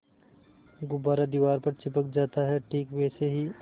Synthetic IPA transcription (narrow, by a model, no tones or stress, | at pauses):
ɡʊbaːɾad̪iʋaːɾpɐɾt͡ʃɪpək̚d͡ʒaːt̪aɦɛʈʰiːkʋɛːseɦi